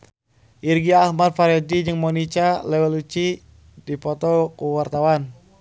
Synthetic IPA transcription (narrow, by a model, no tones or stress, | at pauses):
ʔirɡiaːhmad̚faɾɔdid͡ʒɨŋmɔnit͡ʃalɛwɛlut͡ʃi | dipɔt̪ɔkuwart̪awan